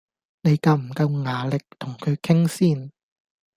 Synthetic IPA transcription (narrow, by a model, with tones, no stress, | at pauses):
ne˨˧jkɐ˧wm̩˨˩kɐ˧wŋaː˨˧lɪ˨k̚t̪ʰʊ˨˩ŋkʰɵ˨˧ɥkʰɪ˥ŋsiː˥˩n